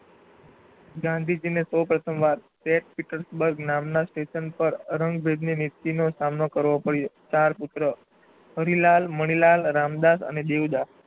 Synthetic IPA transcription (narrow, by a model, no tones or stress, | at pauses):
ɡãnd̪ʱid͡ʒinesopɾət̪ʰəmʋaɾseʈ̚piʈəɾsbəɾɡnamnasʈeʃənpəɾɾəŋɡbʱed̪ninit̪ːinosamnokəɾʋopəɽjot͡ʃaɾpʊt̪ɾə | ɦəɾilalməɽ̃ilalɾamd̪asə̰ned̪ewd̪as